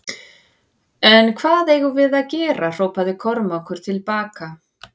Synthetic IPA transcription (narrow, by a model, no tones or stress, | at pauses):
ɛnkʰvaːðejɣʏvɪðaðcɛːɾar̥oːwpaðɪkʰɔɾmaɔwkʏɾ̥t̪ʰɪlpaːka